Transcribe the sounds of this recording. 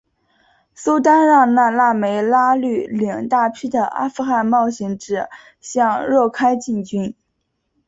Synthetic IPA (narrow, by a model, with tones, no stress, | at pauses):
su˥t̪a˥nɻɑ˥˧ŋna˥˧la˥˩me˧˥ɪla˥ly˥˩ljɑ˨˩ŋt̪a˥˩pʰi˥d̪ə˨ʔa̰˥fu˥˧xa˥˧nmɑ˥˩ʊɕi˧˥ŋʈ͡ʂɻ̩˥˩ | ɕjɑ˥˧ŋɻwɔ˥˩kʰa˥ɪt͡ɕi˥˩nt͡ɕy˥n